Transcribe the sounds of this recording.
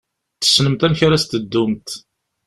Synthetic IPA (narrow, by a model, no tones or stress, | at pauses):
θə̥sːnəmt̪æmçaɾæst̪əd̪ːumt̪